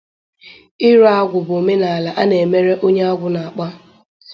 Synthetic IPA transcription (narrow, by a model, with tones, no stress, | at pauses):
ɪ˦ɾa˦a˦ɡʷʊ˨bʊ˨o˨me˦na˨a˨la˨ʔa˦ne˨me˦ɾe˦ʔo˦ɲe˦a˦ɡʷʊ˨na˨a˨k͡pa˦